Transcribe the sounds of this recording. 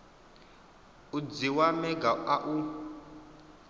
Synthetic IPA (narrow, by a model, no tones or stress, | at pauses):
ud͡ziwamɛɡaʔaʔu